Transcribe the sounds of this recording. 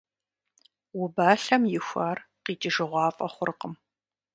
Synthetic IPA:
wʊbaːɬɐmjɪxʷaːrqiːtʼɪʒɨʁʷɑːfʼɐχʷʊrqəm

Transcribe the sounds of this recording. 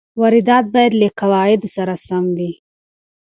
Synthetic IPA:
waɾɪd̪ɑt̪̚bɑjad̪ləkawɑjɪd̪osaɾasamdi

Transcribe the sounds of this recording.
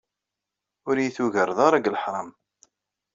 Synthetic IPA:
ʊɾjiθuʝəɾˤðˤɑɾˤaɡlħɾˤɑm

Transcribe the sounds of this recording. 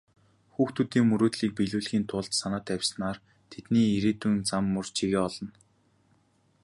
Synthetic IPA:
xuːxt̪ʰut̪iːŋmɵɾoːt̪ɮiːk̚piɮuːɮxiːnt̪ʰʊːɮt̪sanaːt̪æwʲsnaːr | t̪ʰet̪niːiɾeːt̪uːnt͡samːɵrt͡ɕʰiɣeːɔɮɞ̆n

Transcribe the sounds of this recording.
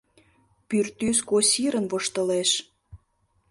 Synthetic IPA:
pyrt̪yskosʲiɾənβoʃt̪ə̆leʃ

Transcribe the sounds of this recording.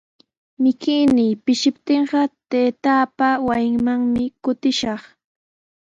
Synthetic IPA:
mɪkɪjnɪjpɪʃɪpt̪eɴɢɑt̪eːt̪aːpawajɪŋmaŋmɪkʊt̪ɪʃɑχ

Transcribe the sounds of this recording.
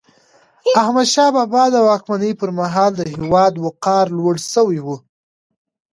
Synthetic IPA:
ahmad̪ʃɑbɑbɑd̪əwɑkmanəjpəɾmaɦɑld̪əhɪwɑd̪wʊqɑɾlwəɽsəwiwu

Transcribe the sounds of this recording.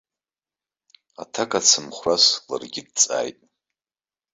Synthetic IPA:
a̰tʰakʼat͡sʰɨmχʷrasla̰rɡʲɪdt͡sʼa̰ːjtʼ

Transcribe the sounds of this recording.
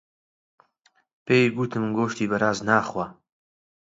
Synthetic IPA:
peːjɡuːt̪ʰɨmɡoːʃt̪iːbɐɾaːznaːχwa

